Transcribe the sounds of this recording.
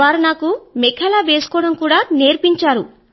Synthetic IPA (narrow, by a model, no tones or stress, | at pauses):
aːɾunaːkumɛkʰɐlaːʋeːsu̥kɔːɽɐmkuːɽaːneːɾpiɲt͡ʃaːɾu